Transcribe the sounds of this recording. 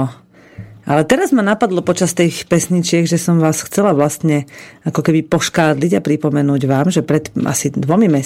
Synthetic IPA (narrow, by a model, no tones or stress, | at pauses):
ɔ | alɛt̪ɛɾazmanapad̪lɔpɔt͡ʃast̪iːxpɛsɲit͡ʃɪɛɡʒɛsɔmʋaːsxt͡sɛlaʋlast̪ɲɛakɔkɛbipɔʃkaːd̪liɟapɾipɔmɛnuːɟʋaːmʒɛpɾɛt̪a̰sid̪ʋɔmimɛ